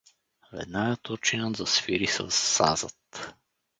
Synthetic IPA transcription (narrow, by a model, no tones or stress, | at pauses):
vɛ̰d̪naɡət̪uɾt͡ʃinəzɐsfiɾisə̰sːa̰zət̪